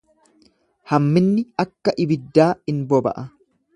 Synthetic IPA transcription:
hɐmːɪnːɪɐkːɐʔɪbɪd̪ːaːɪnbɔbɐ̰ʔɐ

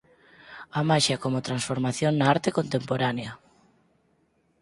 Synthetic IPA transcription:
amaʃakomot̪ɾansfoɾmaθjoŋnaaɾt̪ekont̪empoɾanea

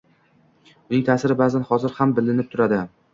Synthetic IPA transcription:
ʊnɪŋt̪ʰaːsɪɾɪbaːzanhɒzɪɾhambɪlːɪnɪp̚t̪ʰʊɾad̪ɪ

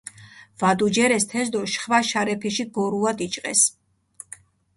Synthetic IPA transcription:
vad̪ud͡ʒɛɾɛst̪ʰɛzd̪ɔʃχvaʃaɾɛpʰiʃiɡɔɾuad̪it͡ʃʼqʼɛs

